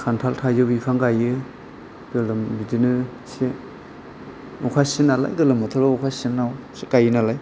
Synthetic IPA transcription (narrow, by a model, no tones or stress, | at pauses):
kʰantʰaltʰajzɯbikʰaŋɡajɯ | ɡɯlɯmbidinɯ | se | ɔkʰasinala̰jɡɯlɯmɔtʰɯɾaɔkʰasinawsikajɯnalaj